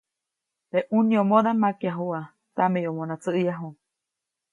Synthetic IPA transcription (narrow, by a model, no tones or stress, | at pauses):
t̪eʔunĩomõðamakjaɦua | t̪amejomonat͡sɨʔijaɦu